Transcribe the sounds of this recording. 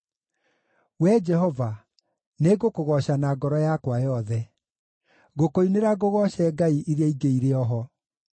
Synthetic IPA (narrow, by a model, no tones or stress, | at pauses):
wɛd͡ʒɛhɔva | neɡokoɣɔɕanaɡɔɾɔjakwajɔðɛ | ɣokoineɾaɣoɣɔɕɛːɡaiʔiɾeaiɡeiɾeɔɦɔ